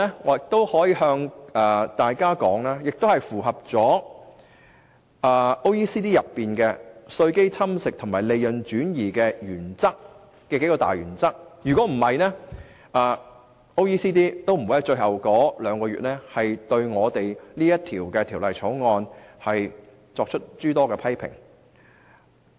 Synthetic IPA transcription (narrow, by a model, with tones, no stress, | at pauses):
ɛ˥ŋɔː˨˧˥jɪ˨k̚t̪o˥whɔː˨˥jiː˨˧ɦœː˧ŋɛː˨t̪aː˨jkaː˥kɔː˨˥ŋlɛː˥jɪ˨k̚t̪o˥whɐ˨˩jfuː˨˩ɦɐ˨p̚t͡sɔː˨˥ | ɛː˨ʔo˥wjiː˥siː˥t̪iː˥jɐ˨pːiː˨nkɛ˧sɵ˧ɥke˥jt͡sʰɐ˥msɪ˨k̚t̪ʰʊ˨˩ŋmaː˨˩le˨˧jjɵ˨nt͡ʃyː˨˥njiː˨˩kɛː˧jyː˨˩nt͡sɐ˥k̚ | kːɛː˧ke˨˥jkɔː˧t̪a̰ː˨jyː˨˩nt͡sɐ˥k̚jyː˨kɔː˨˥m̩˨˩hɐ˨jnɛː˥ | ʔɐː˨ | ʔo˥wjiː˥siː˥t̪̬iː˥t̪o˥wm̩˨˩wjɐ˥t͡ʃɵ˧ɥhɐ˨wkɔː˨˥lœː˨˧ŋkɔː˧ɥy̰ː˨t̚nɛː˥hɐ˨jt̪ɵ˧ɥŋɔː˨˧t̪e˨jliː˥jɐ˥t̚t̪ʰiː˨˩wkɛ˧t̪ʰiː˨˩wlɐ˨jt͡sʰɔː˨˥wŋɔː˧nhɐ˨j | t͡sɔː˧k̚t͡ʃʰɵ˥t̚t͡ʃyː˥t̪ɔː˥kɛ˧pʰɐ˥jpʰɪ̰˨˩ŋ